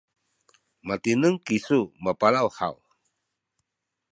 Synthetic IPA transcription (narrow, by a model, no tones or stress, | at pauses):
mat̪inəŋkisumapalawha̰l